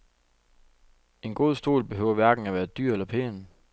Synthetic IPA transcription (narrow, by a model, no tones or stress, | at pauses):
e̝nɡ̥o̝ð̞̰ˠsd̥o̝̰ːlb̥e̝ɦøʊɐʋæɐɡ̥n̩æʋæːɐd̥yɐ̰elɐpʰḛːn